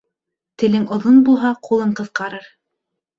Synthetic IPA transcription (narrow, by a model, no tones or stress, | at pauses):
t̪ɘ̆lɘŋŏðonbulˠɦɑqulˠɤɴqɤ̆θqɑɾɤɾ